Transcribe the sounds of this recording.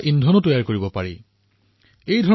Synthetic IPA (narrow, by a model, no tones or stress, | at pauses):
ʔindʱɔnotojaɹkoɹibɔpaɹḭ | ejdʱɔ